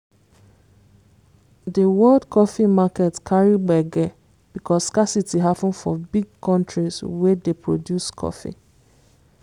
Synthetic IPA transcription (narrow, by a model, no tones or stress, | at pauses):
dəwɔldkʰɔfimakɛtkʰaɹibɛɡɛ | b̥ikʰɔskasitiɦapə̃nfɔ̰biɡ̚kɔ̃ntɹiswɛdepʰɹodjuskʰɔ̰fḭ